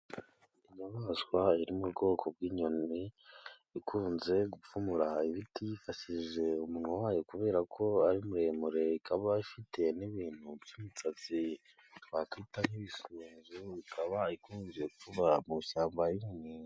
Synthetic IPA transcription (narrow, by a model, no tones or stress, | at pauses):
iɲamaːswaiɾimuβɡo̞ːkʰo̞b̚ɡwiːɲo̞ni | ikʰuːnze̞ɡufumuɾaiβitijifaʃiʒe̞umunhuwaːjokuβe̞ːɾakʰo̞aɾimuɾe̞ːmuɾe̞ikʰaβaifitʰe̞niβiːn̥hubjumut͡sat͡si | wakitaniβisuːnzuikʰaβaikuːnze̞ukfuβamuʃaːmbajiminiːa